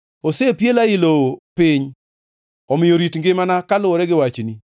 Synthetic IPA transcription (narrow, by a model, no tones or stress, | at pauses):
osepjelaɪlopɪɲ | ɔmɪjoɾitŋɡɪmanakalʊoɾɛɡɪwat͡ʃni